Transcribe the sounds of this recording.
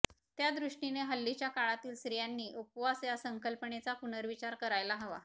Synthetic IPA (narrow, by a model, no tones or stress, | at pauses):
t̪jad̪ɾuʂʈineɦəlːit͡ɕjakaɭat̪iːlsɾijanːiːʔupʋasjasəŋkəlpəɳet͡sapunəɾʋit͡ɕaɾkəɾajlaɦəʋa̰